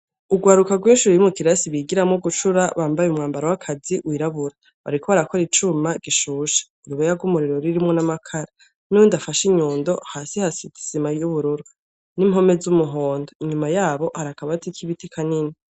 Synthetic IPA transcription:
uɡwaːɾukaɡwiːnʃuɾijumukiɾasiβiɡiɾamŋoɡut͡ʃuɾaβaːmbajeumŋaːmbaɾowakʰaziwiːɾaβuɾa | βa̰ɾikʰo̞βaɾako̞ɾit͡ʃumaɡ̥iʃuːʃḁ | uβajaɡumuɾiɾoɾiɾimŋonamakʰaɾa | nuwindafaʃiɲuːndo̞haːsihasiti̥z̥imajuβuɾuɾu | nimho̞mezumuɦoːndoiɲumajaːβo̞haɾakaβatikʰiβitikʰanini

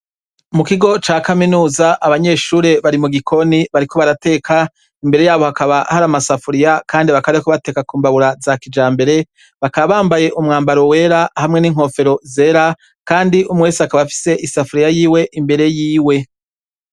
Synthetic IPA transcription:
mukiɡo̞t͡ʃaːkaminuːzaʔaβaɲe̞ːʃuːɾe̞βaɾimuɡikʰo̞niβaɾiko̞βaɾate̞ːkʰa | imbe̞ɾe̞jaːβo̞hakaβahaɾamasafuɾijakʰaːndiβakaβɾekoβate̞ːkakuːmbaβuɾazakid͡ʒaːmbe̞ɾe̞ | βakaβaβaːmbaje̞ʔumŋaːmbaɾo̞we̞ːɾahamŋe̞niːŋ̥ɦo̞fe̞ɾo̞zeːɾa | kaːndiʔumweːsakaβafi̥se̞ʔisafuɾijajiːwe̞ʔimbe̞ɾe̞jiːwe̞

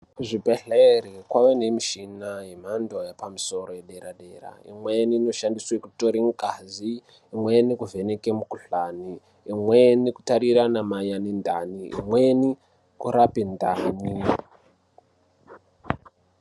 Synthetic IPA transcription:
ʐibʱeɬeerekwaʋene̞miʃinaɦem̤ando̞japamiso̞rojeɗeɾaɗe̞ra̰ḭmwenino̞ʃandiswekuto̞ɾiŋkaziː | mwenikuve̞ne̞ke̞mukuɬaniː | mweniku̥taɾiɾanamajanendʱa̰niḭmwe̞ni | kuɾapindʱa̰ːni

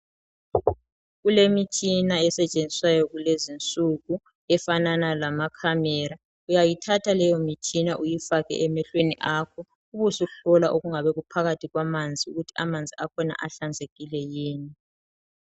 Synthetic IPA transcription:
ɣulemit͡ʃʰinaɛsɛt͡ʃʼend͡zʱiswajɔɣulezint͡sʼuɣu | ɛfananalamakʰamɛɾa | ujajitʰatʰalɛjɔmit͡ʃʰinaʔujifaɣɛ̰ʔɛmɛɬweniʔakʰɔ | uβusuɬɔlaʔoɣuŋaβɛɣupʰaɣatʰiɣwamand͡zʱiuɣutʰi̥amand͡zʱiakʰɔna̰ʔaɬand͡zʱeɣilɛjiːni

